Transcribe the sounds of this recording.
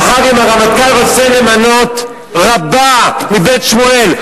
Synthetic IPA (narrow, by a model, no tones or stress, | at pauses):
χaʁimaʁamakalʁot͡selemano̞t̪ | ʁabamibe̞t̪ʃmoel